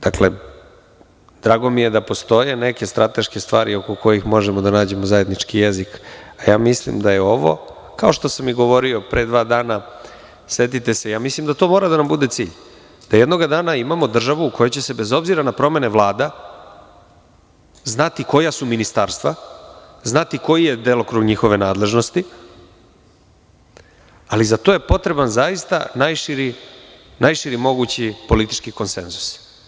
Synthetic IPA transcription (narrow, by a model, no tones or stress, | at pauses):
d̪̥akle̞ | d̪̥ɾaːɡo̞mije̞d̪apo̞st̪o̞je̞ne̞ke̞st̪ɾat̪e̞ʃke̞st̪ʋaːɾio̞koko̞jixmo̞ʒemod̪anaːd͡ʑe̞mozaje̞d̪nit͡ʃkijezikajaːmislḭmd̪ajeo̞ʋo̞̰ | kao̞ʃt̪o̞samiɡo̞ʋo̞ɾio̞pɾed̪ʋaːd̪aːna | se̞t̪it̪e̞se̞jaːmislimd̪at̪o̞ːmoːɾad̪anambud̪e̞t̪sḭːʎ | d̪̥ajed̪no̞ɡad̪aːnaimamo̞d̪r̩ʒaʋuːkʰo̞jot͡ɕe̞se̞be̞zo̞bziɾanapɾo̞me̞ne̞ʋlˠaːd̪a | znat̪iko̞jasuminist̪aːɾst̪ʋa | znat̪iko̞jije̞d̪eːlokɾuɡɲixo̞ʋe̞na̰ːd̪le̞ʒno̞st̪i | alizat̪oje̞po̞t̪ɾe̞banzajist̪a̰najʃiɾi | najʃiɾimo̞ɡut͡ɕipo̞lit̪i̥t͡ʃkiko̞nsḛnzu̥s